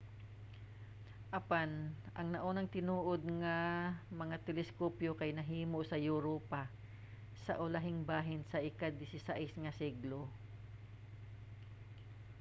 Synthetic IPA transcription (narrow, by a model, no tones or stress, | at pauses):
ʔɐpanʔɐŋnɐʔoːnɐŋt̪ɪnuːʔod̪̚ŋamɐŋat̪ɛlɛskoːpjokajnɐɦiːmoʔsɐjuɾoːpa | sɐʔʊlaɦɪŋbaːɦɪnsɐʔɪkad̪ɪsɪsaʔɪsŋɐsiɡlo